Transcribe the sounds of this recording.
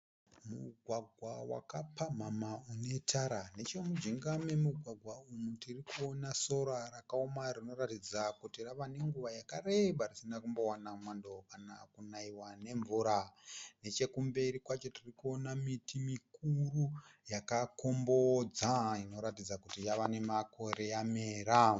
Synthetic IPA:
muɡʱwaɡʱwawa̰kapam̤amaune̞tʰaɾane̞t͡ʃo̞mud͡ʒiŋɡamemuɡʱwaɡʱwaumutirikuonaso̞ɾarakaomarino̞ratid͡zakutiraʋane̞ŋɡuʋajakare̞ɓarisinakumbowanamwando̞kanakunaiwane̞ɱvuɾane̞t͡ʃe̞kumbe̞ɾikwat͡ʃo̞tirikuonamitimikurujakako̞mbod͡zaino̞ɾatid͡zakutijaʋane̞mako̞ɾe̞jame̞ːɾa

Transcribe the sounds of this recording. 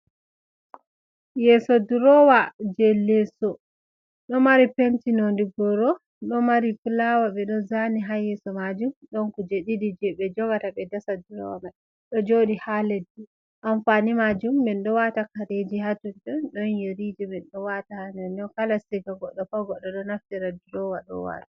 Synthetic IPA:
jɛsɔduɾɔwad͡ʒɛlːɛsɔ | ɗɔmaɾipentinondiɡɔɾɔ | ɗɔmaɾikulawaɓɛɗɔzaniɦajɛsɔmad͡ʒumɗɔnkud͡ʒeɗidid͡ʒɛɓɛd͡ʒɔɡataɓɛdasaduɾɔwama | ɗɔd͡ʒoɗihaledːi | ʔanfanimad͡ʒumːɛnɗɔwatakaɾed͡ʒihatundɔnɗɔnjeɾid͡ʒɛmɛnɗɔwatahanɛnɔnkalasiɡaɡɔɗːɔfaɡɔɗːɔɗɔnaftiɾaduɾɔwaɗɔ̰wa̰ːtḁ

